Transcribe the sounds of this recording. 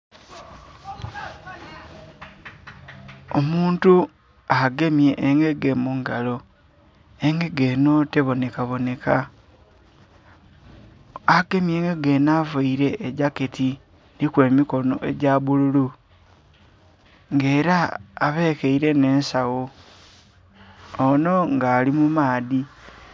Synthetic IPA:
omuːntu | aɡe̞mje̞ʔːŋɡe̞ɡe̞muŋɡalo̞ | eŋɡe̞ɡe̞ːno̞teβo̞ne̞kaβo̞ne̞ka | aɡe̞mje̞ːŋɡe̞ɡe̞navaiɾe̞ʔːɟaketi | nikwe̞ːmiko̞no̞̰ʔe̞ɟaβululu | ŋɡe̞ːɾaːβe̞keiɾe̞ne̞ːnsawo | no̞ŋɡaːlimumaːði

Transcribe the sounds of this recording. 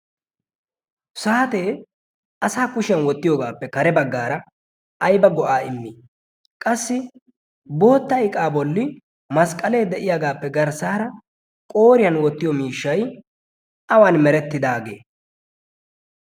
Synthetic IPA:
saːt̪e̞ː | ɐsaːkʊʃɪjɐnwɔt̪ːɪjoːɡaːpːɛkɐɾɛbɐɡːaːɾɐ | ʔɐjbɐɡɔʔaːɪmːi | kʼɐsːɪ | bo̞ːt̪ːɐɪkʼaːbɔlːɪ | mɐskʼɐle̞ːd̪ɛʔɪjaɡaːpːɛɡɐɾsaːɾɐ | kʼo̞ːɾɪjɐnwɔt̪ːɪjɔmiːʃːɐj | ɐwaːnmɛɾɛt̪ːɪd̪aːɡe̞̰ː

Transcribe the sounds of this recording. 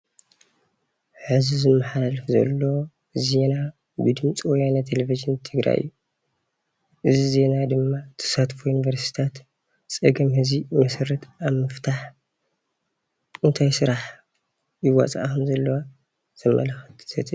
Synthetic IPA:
ħɨzizɨmːɐħalalfzɐ̰lːo | ze̞na | bɨd̪ɨmt͡sʼiwjanat̪ʰeleviʒɨnt̪ʰɨɡɾa̰jʔɨ̰jːu | ʔɨzize̞nad̪ɨmːat̪ʰɐ̥sat̪fujunivɐɾsi̥t̪ʰat̪ | t͡sʼɐɡɐmhɨzimɐsɐɾɐt̪aβmɨft̪ʰaħ | ɨnt̪ʰajsɨɾaħ | jɪwa̰t͡sʼa̰ʔkʰɐmzɐlːɐwa | z̥ɨmːɐ̰lɐxɐ̥t̪ʰsʰɐt̪ʰɨ

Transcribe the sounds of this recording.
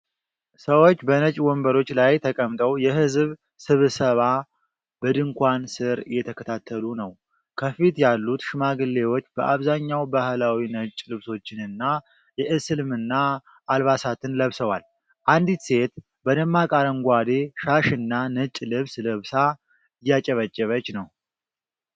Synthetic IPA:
səwo̞t͡ʃːbənət͡ʃʼwɔmbəɾo̞t͡ʃːlajt̪ʰəkʼəmt̪ʼəwjɛɦɨzβ | sɨβsəβa | b̥əd̪ɨŋkʷʰansɨɾjɛt̪ʰəkʰət̪ʰat̪ʰːəlunəw | kʰəfit̪jalːut̪ʃɨmaɡɨlːe̞wo̞t͡ʃːb̥əʔaβzaɲːawbahlawinət͡ʃʼːlɨβso̞t͡ʃːɪnɨnːa | jɛʔɨsɨlmɨnːaː | lβasat̪ʰɨnləβsəwal | ʔand̪it̪se̞t̪ | bəd̪əmːakʼaɾəmɡʷad̪e̞ʃaʃɨnːanət͡ʃʼlɨβsləβsa | ɨjːat͡ʃʼɛβət͡ʃʼːɛβət͡ʃːnəw

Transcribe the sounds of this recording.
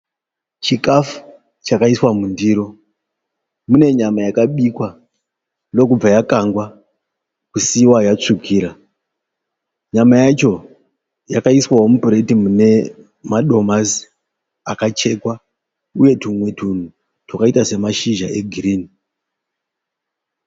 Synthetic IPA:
t͡ʃikafu̥ | t͡ʃakaiswamundiːɾo̞ | mune̞ɲamajakaɓikwa | no̞kub͡vajakaŋɡwa | kusiwajat͡ʂukiːɾa | ɲamajat͡ʃo̞ | jakaiswawo̞mupuɾe̞timune̞ | maɗo̞mazi | akat͡ʃe̞kwa | uje̞tumwe̞tun̤u | twakaitase̞maʃiʒaʔe̞ɡʱiriːni

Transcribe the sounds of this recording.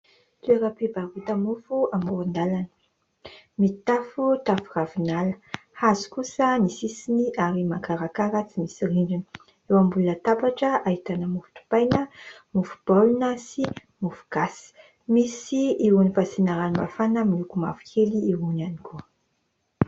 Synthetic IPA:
t̪ueɾəpibarut̪əmufuamuɾund̪alanə̥ | mit̪afut̪afuravinalə̥hazu̥kusənisisiniʔaɾimakaɾakaɾət͡simisiriɳɖ͡ʐini̥ | ewambulunət̪apaʈ͡ʂəaɦit̪anəmufu̥t̪u̥pajnəmufu̥b̥alunəsi | mufu̥ɡ̥asi̥ | misiiunifasinaɾanimafanəmilukuma̰fu̥kʰeliːɦunanikʰu

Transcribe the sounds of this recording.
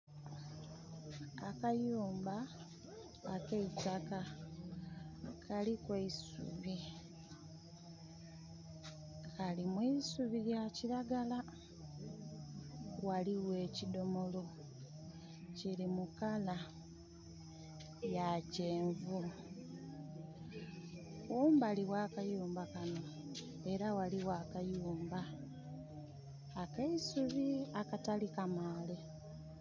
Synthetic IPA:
akajuːmbaː | keitaka | kalikweisṵβi | kalimwiːsuβijaciɾaɡala | waliwe̞ːcido̞mo̞lo̞ | ciɾimukala | jace̞ːɱvu | kuːmbaliwakajuːmbakano̞ | e̞ɾawaliwaːkajuːmba | keisuβiakatalikamaːle

